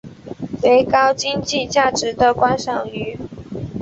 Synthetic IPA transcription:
we˧˥ɪkɑ˥ʊt͡ɕi˥ŋt͡ɕi˥˧t͡ɕja˥˩ʈ͡ʂɻ̩˨˦d̪ə˨kwa˥nʂɑ˨˩ŋy˧˥

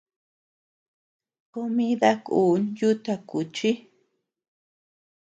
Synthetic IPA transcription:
ko˧mĩ˦ða˦kṵː˨˦nju˦t̪a˧ku˨t͡ʃi˦

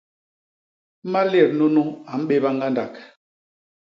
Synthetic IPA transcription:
ma˦lɛ˦˨ɾnu˦nu˦a˨m̩˦ɓe˦ba˦ŋ˦ɡa˦nda˨k

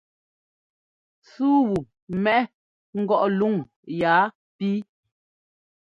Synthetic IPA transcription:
suː˦wu˨ | mɛ˦ʔ | ŋ̩˦ɡɔ˦ʔlu˦˨ŋ | jaː˨˦ | pi˦

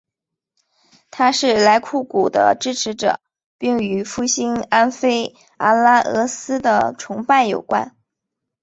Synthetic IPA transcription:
t̪ʰa˥ʂɻ̩˥˩la˧˥ɪkʰu˥˩ku˨˩d̪ə̰˦ʈ͡ʂɻ̩˥ʈ͡ʂʰɻ̩˧˥ʈ͡ʂɤ̰˨˩˦ | pi˥˩ŋy˧˥fu˥˩ɕi˥ŋa˥nfe˥ɪ | a˥la˥ʔɤ˧˥sɹ̩˥d̪ə̰˨ʈ͡ʂʰʊ˧˥ŋpa˥˩ɪjo˨˩ʊkwa̰˥n

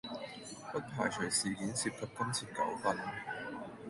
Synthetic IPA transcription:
pɐ˥k̚pʰaː˨˩jt͡ʃʰɵ˨˩siː˨˩kiː˨˥nsiː˧p̚kʰɐ˧t̚kɐ˥nt͡sʰiː˨˩t̚kɐ̰˨˥wfɐ˨n̚

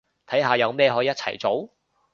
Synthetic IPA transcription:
t̪ʰɐ˨˥jɦaː˨˧jɐ˨˧wmɛː˥˧ɦɔː˨˥jiː˨˥t̚t͡sʰɐ̰˨˩jt͡so˨˥w

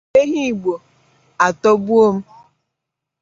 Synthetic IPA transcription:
e˦ɦi˦˨ɡ͡bo˨ | a˨to˦bu˦o˦m̩˦

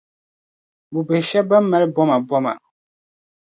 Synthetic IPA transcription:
bu˨bɛ˨hʃɛ˦ba˦m˦mːɛ˦lbɔ˦ma˨bɔ˦ma̰˨

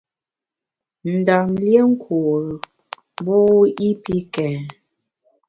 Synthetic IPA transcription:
n̩˨da˨mlje˦ŋ̩˦kʰu˨ɣ | bo˦i˦pi˦kɛ˨

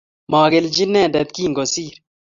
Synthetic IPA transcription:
maː˨ɡeld͡ʒi˦nẽːdɐ˨d̪kiːŋɡo˨siːɾ

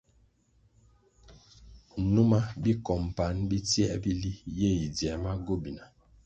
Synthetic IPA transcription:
nu˦ma˦bi˦kɔ˨m˨pa˨˦nbi˦tjɛ˦ʔbi˦li˦je˦˨i˨dɛ˨ma˦ɡo˦bi˨na˨

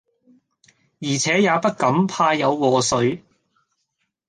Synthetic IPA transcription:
jiː˨˩t͡sʰɛː˨˥jaː˨˧pɐ˥t̚kɐ˨˥mpʰaː˧jjɐ˨˧wwɔː˨˩sɵ˨˥ɥ

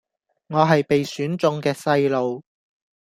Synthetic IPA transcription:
ŋɔː˨˧ɦɐ˨jpe˨jsyː˨˥nt͡sʊ˧ŋkɛː˧sɐ˧jlo˨w

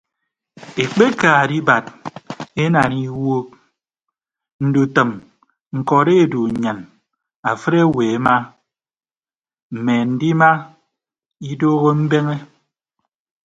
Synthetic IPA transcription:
e˨k͡pe˦kaː˨di˦ba˨t̚ | e˦na˨ni˦wo˦k̚ | n̩˨du˨tə˨m | ŋ̩˨kɔ˨ɾe˦˨du˨ɲa˨n | a˨fɨ˦ɾe˦˨weː˨e˦ma˦ | m̩˨me˨n̩˨di˦ma˦ | i˦doː˦ɣo˦m̩˦be˦ŋe˦

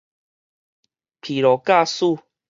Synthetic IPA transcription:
pʰi˨lɔ˨ka˥˧su˥˧˨

